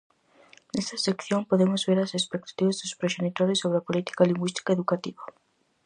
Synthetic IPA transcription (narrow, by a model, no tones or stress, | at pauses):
nest̪ɐsekθjõmpoðemʊzβeɾasespek̚t̪ḁt̪iβazðʊspɾeʃenit̪oɾjʊsoβɾeapolit̪i̥kaliŋɡwist̪i̥kaeðukat̪iβɐ